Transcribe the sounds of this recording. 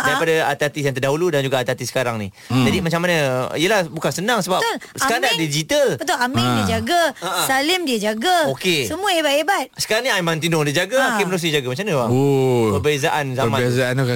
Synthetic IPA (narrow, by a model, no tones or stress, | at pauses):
daɾipadaat̪at̪is̬jaŋt̪ərdaɦuludand͡ʒuɡaːt̪at̪isə̥kaɾaŋni | d͡ʒadimat͡ʃaŋmanəijəlahbukansənaŋsəbalsəəkaɾadadid͡ʒit̪əlbət̪ʊlamidiəd͡ʒaɡaasalɪmdiəd͡ʒaɡaokesəmũəhebat̪ebat̪̚sə̥kaɾaŋniajmãnt̪inʊŋdəd͡ʒaɡaokemənəɾus̬nid͡ʒaɡamat͡ʃamnəwaopəbezaʔanzaəmãezaanuka